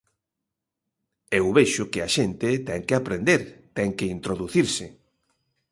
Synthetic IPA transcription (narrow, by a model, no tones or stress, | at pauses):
ewβeʃʊkɪaʃent̪ɪt̪ɛŋkɪapɾend̪eɾt̪ɛŋkeint̪ɾoðuθiɾsɪ